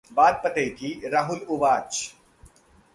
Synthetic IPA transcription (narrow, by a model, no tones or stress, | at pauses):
baːd̪̚pət̪ekiɾaːɦʊlʊʋaːt͡ʃ